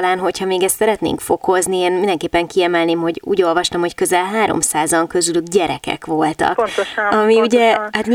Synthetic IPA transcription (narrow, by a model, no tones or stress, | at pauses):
laːnɦo̞chɒmeːɡɛst̪sɛɾɛt̪nḛːŋkfo̞ko̞znieːnmind̪ɛŋkeːpːɛŋkiɛmɛlneːmɦo̞ɟṵːɟo̞lvɒʃt̪ɒmho̞ckø̞zɛlɦaːɾo̰msaːzɒŋkø̞zylyɡɟɛɾɛkɛ̰kʋo̞lt̪ɒ̰k̪ɒmiuɟɛhat̪mi